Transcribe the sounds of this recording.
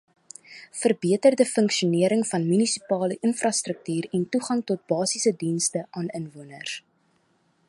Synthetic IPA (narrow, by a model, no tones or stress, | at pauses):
fərbiətərdəfəŋkʃiuniəɾəŋfɐnmynisipɑːləʔənfrɐstrək̚tyːɾɛntuχɐŋtɔt̚bɑːsisədinstəʔɑːnənvuənər